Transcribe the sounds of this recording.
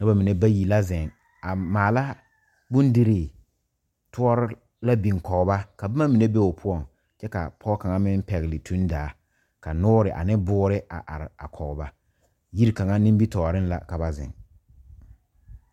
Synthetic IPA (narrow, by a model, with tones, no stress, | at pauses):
nʊ˦ba˦mi˨ne˦ba˦ji˨la˦zɛ˨ŋ | a˨maː˨la˦ | bʊ˦n˦dɪ˦ɾɪː˨ | tʊ˦ɔ˦ɾɪ˦ | la˦bi˨ŋ˨kɔ˨ɣba˦ka˨ba˦ma˦mi˨ne˦be˦ʊ˨pʰʊ˦ɔ˨ŋ | t͡ʃɛ˦ka˨pʰɔ˦ka˨ŋa˦mɪ˦n˦pɛ˨ɣɪ˨lɪ˨tʰu˦n˦daː˨˦ | ka˨nʊː˦ɾɪ˨ʔa̰˨nɪ˦bʊː˦ɾɪ˦ʔa̰˨ʔa̰˨ɾɪ˨a˨kʰɔ˨ɣba˦ | ji˦ɾka˨ŋa˦nɪ˦m˦bi˦tɔː˨ɾɪ˦n˦la̰˨ka˨ba˦zɛ̰˨ŋ